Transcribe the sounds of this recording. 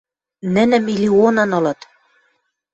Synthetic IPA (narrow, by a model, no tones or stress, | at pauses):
nɘ̆nɘ̆milʲionɤ̆nɤ̆lɤ̆t̪